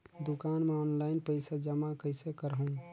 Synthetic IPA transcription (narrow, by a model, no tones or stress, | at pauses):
d̪ukaːnmeɔːnlaɪnpəɪsad͡ʒəmakəɪsekəɾɦũ